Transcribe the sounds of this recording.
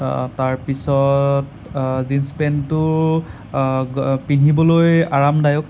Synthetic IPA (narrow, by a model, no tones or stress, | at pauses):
taɹpisɔt | zinspɛntʊɹ | pinibɔlojaɹamdajɔk